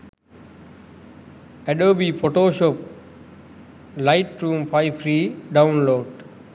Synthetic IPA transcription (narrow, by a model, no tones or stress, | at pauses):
ɛɖəːbifoʈoːʃɔp̚ | laɪʈɾũːmfaɪfɾiːɖãʊ̃nloːɖ